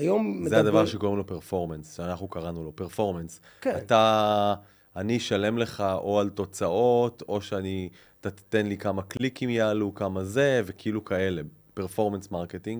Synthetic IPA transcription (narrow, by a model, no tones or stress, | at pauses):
ajomzead̪avaʁʃeko̞ʁemlo̞peʁfo̞ʁmensʃanaχnukaʁanulo̞peʁfo̞ʁmens | kat̪a | niʃalemle̞χaʔo̞alto̞t͡sao̞t̪o̞ʃeani | at̪at̪t̪enlikamaklikimjaːlukamaze̞ve̞keilukae̞le̞ | peʁfo̞ʁmensmaʁket̪iŋɡ